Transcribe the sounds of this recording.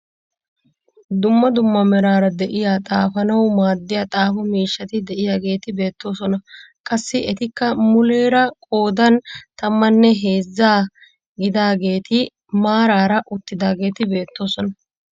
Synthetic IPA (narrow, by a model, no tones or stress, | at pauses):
d̪ʊmːɐd̪ʊmːɐmɛɾaːɾɐd̪ɛʔɪjaːt̪ʼaːfɐnɐwmaːd̪ːɪjat̪ʼaːfɔmiːʃːɐt̪ɪd̪ɛʔɪjaːɡe̞ːt̪ɪbe̞ːt̪ːo̞ːsɔnɐkʼɐsːɪɛt̪ɪkːɐmʊle̞ːɾɐkʼo̞ːd̪ɐnt̪ɐmːɐnːɛɦe̞ːzːaː | ɡɪd̪aːɡe̞ːt̪ɪ | maːɾaːɾɐʔʊt̪ːɪd̪aːɡe̞ːt̪ɪbe̞ːt̪ːo̞ːsɔnɐ